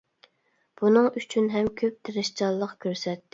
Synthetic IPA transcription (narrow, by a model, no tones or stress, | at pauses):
b̥unɨŋyt͡ʃʰynɦɛmkʲʰøp̚t̪ʰɪɾɪʃt͡ʃɑlˠːəqkʲʰøɾsɛt̪ː